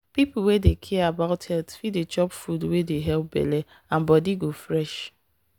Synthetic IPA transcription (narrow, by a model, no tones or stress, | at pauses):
pipl̩wedekʰɛabaʊthɛltfidet͡ʃɔpfudwedeɦɛlp̚bɛ̰le | ãnbɔdiɡofɾɛʃ